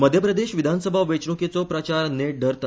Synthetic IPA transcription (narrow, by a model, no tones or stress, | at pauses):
məd̪ʱjəpɾəd̪eɕʋid̪ʱansəbʱaʋet͡ɕɳuket͡sɔpɾat͡ɕaɾneɖəɾt̪a